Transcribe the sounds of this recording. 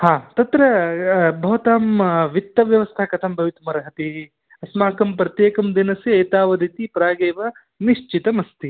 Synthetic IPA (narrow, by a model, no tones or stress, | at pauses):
haːt̪ɐt̪ɾɐbʱɐʋɐt̪aːmʋit̪ːɐʋjɐʋɐst̪ʰɐkɐt̪ʰɐmbʱɐʋit̪umɐɾɐɦɐt̪i | ɐsmaːkɐmpɾɐt̪jeːkɐmd̪inɐsiɐjt̪aːʋɐd̪it̪ipɾaːɡeːʋɐ | niʃt͡ʃit̪ɐmɐst̪i